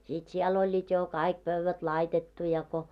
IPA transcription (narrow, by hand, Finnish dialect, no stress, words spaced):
sit siɛl olʲːiːt jo kɑik pøʋːæt lɑitetːu jɑ ko